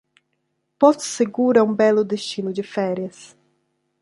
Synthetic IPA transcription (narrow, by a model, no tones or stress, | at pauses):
pɔt̪seɡuɾɐũbɛlʊd̪eʃt͡ʃinʊd͡ʒɪfɛɾjɐs